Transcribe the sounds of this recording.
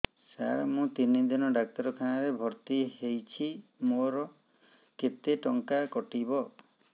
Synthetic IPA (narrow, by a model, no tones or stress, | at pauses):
sa̰ɾmũt̪inid̪inɔɖak̚t̪ɔɾɔkʰanaɾebʱɔɾt̪ihejt͡ʃʰimoɾɔ | ket̪eʈɔŋkakɔʈibɔ